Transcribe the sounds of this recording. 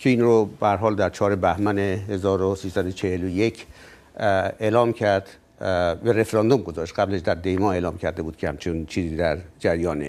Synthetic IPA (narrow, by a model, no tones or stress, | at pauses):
cʰeiːnɾob̥æhæɾɦɒːld̪æɾt͡ʃʰɒːɾe̞bæhmænehezɒːɾosiːsæd̪ot͡ʃʰehelojecʰ | elɒːmcʰæɾd̪̥ | bæɾe̞fɾɒnd̪omɡo̞zɒːʃt̪̚ɢæblæʃd̪æɾd̪e̞jmɒːe̞ːlɒːmkʰæɾd̪ebuːd̪̥̚kʰehæ̰mt͡ʃʰent͡ʃʰiːziːd̪æɾd͡ʒæɾjɒːne